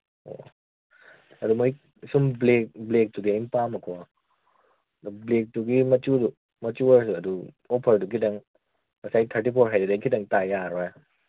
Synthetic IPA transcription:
o̰ | ɐdumoj | sumblek̚blek̚tuɡiajmpamakʰo | dɔblek̚tuɡimɐt͡ʃudu | mɐt͡ʃuəɾsuɐdu | opʰəɾdukʰidaŋ | mɐsajtʰaɾtipʰoɾɦajdudajkʰidaŋtajaɾɔja

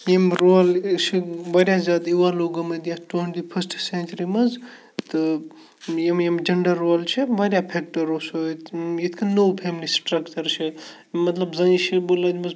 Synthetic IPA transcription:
jemɾoːlt͡ʃʰibɐɾʲjazʲaːd̪iwaloːɡɐmɐd̪jaʈweɳʈipʰɐsʈsẽnʲt͡ʃɾimɐz | t̪ɨ | jemjemd͡ʒɐɳɖɐɾːoːlt͡ʃʰibɐɾjapʰek̚ʈɐɾoːsojet̪ʰkʰɐnoːpʰeːmlisʈɾɐkt͡ʃɐɾt͡ʃʰi | mɐt̪lɐbzɐ̃ʃibolad̪mɐz

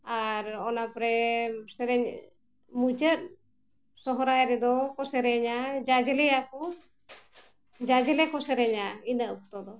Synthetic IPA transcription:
aɾɔnapɾɛsɛɾɛɲ | mud͡ʒət̪̚ | sɔɦɔɾajɾɛd̪ɔkɔsɛɾɛɲad͡ʒad͡ʒɛlɛjakɔ | d͡ʒad͡ʒɛlɛkɔsɛɾɛɲainaʔuk̚t̪ɔd̪ɔ

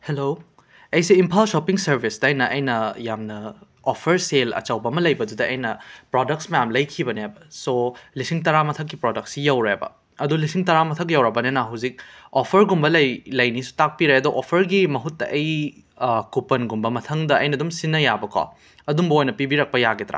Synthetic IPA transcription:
helo | ɐjsiimpʰalsopiŋsɐɾbʱisdɐːjnɐʔɐjnɐjamnɐ | opʰɐɾselɐ̰t͡ʃɐwbɐmɐlɐjbɐdudɐɐjnɐpɾodɐk̚tsmɐjamlɐjkʰibɐneabɐsolisiŋtɐɾamɐtʰɐk̬ːipɾodɐk̚tsijawɾebɐ̰ | ɐdulisiŋtɐɾamɐtʰɐk̬jawɾɐbɐnenɐɦɐwzik̚opʰɐɾɡumbɐlɐjlɐjnisu̥tak̚piɾajɐdɔʔopʰɐɾɡimɐɦutːɐʔɐj | kupɐnɡumbɐmɐtʰɐŋdɐɐ̰jnɐdumsinːɐjabɐkʰa̰ | ɐdumbɐojnɐpibiɾɐk̚pɐjaɡit̪ɐɾa̰

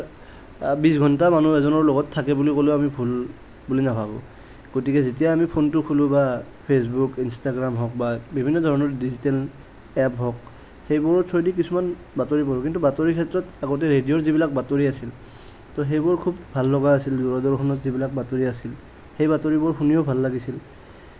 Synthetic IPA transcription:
bis̬ɡʱɔntamanuɛzɔnɔɹlɔɡɔtʰːakɛbulikoleamibʱul | bulinapʰabɔ̰ | ɡ̥otikɛzetijaːmipʰontʊkʰulʊ̃ba | pʰes̬bukinstaɡɹamɦɔk̚babibʱinːɔdʱɔɹɔnɔɹdizitɛl | ɛpɦɔk | xejbɔɹɔɔjdik̬isuman | batoɹipɔɹʊkintubatoɹikʰɛtɹɔtaɡot̬ɛɹedijɔɹzibilak̚batoɹiasil | tɔɦejbɔɹkʰubbʱalːɔɡaːsilduɹɔdɔɹxʰɔnɔtzibilak̚batoɹiasil | hejbatoɹibɔɹxunijɔbʱalːaɡisil

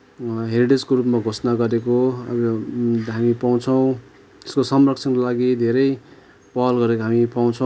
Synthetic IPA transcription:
ɦeɾiɖed͡zkoɾupmaɡʱosnaɡʌɾekoʌbʌɦamipaw̃t͡sʰʌw̃ | t̪e̥skosʌmrʌk̚t͡sʰʌnkolaɡid̪ʱeɾʌj | pʌlɡʌɾekoɦamipaw̃t͡sʰʌ̃

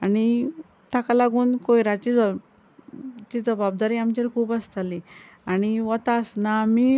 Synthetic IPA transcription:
añi | t̪akalaɡuːnkojɾat͡ɕiːd͡z | t͡ɕiːd͡zəbab̚d̪aɾiamt͡ɕeɾkʰuːbast̪ʰali | añiʋət̪asnamiː

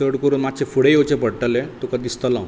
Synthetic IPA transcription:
əɽkəɾuːnmad̪̚t͡ɕefuɽejot͡ɕepəɽʈəlẽt̪okəd̪ist̪əlã

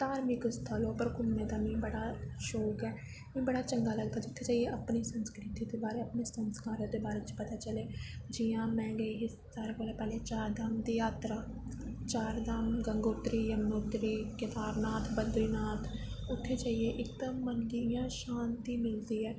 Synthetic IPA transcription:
t̪aːɾmɪkst̪ʰəloːpəɾkʊlmẽːd̪aːmĩːbəɽaːʃoːkɛː | mɛ̃ːbəɽaːt͡ʃəŋɡaːləɡd̪aːd͡ʒɪʊt̪ʰːeːt͡ʃaːieːʔəpniːsənskɾɪt̪iːd̪eːbaːɾeːəpneːsənskaːɾd̪eːbaːɾeːt͡ʃpət̪aːt͡ʃəleːd͡ʒijãːmɛ̃ːɡeɦi | saːɾekoːleːpɛːleːt͡ʃaːɾd̪amd̪iːaːt̪ɾaː | t͡ʃaːɾd̪amɡəŋɡoːt̪ɾiːjəmnoːt̪ɾiːkɪt̪aːɾnaːt̪ʰbənd̪iːnaːt̪ʰ | ʊt̪ʰːeːt͡ʃaːieːʔɪkd̪əmːəndijãːʃãːnt̪iːmɪld̪iːɛː

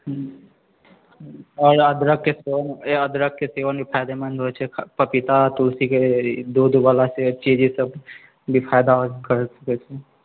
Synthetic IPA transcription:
ɦ | ɔːɾəd̪ɾəkːeseʋənəd̪ɾək̚keseʋənbʱipʰaːjd̪emə̃nd̪ɦot͡ʃʰekʰpəpit̪at̪ulsiked̪uːd̪ʋalaset͡ʃid͡ʒisəb | bʱipʰaːjd̪akəɾsə̥kɛt͡ʃʰe

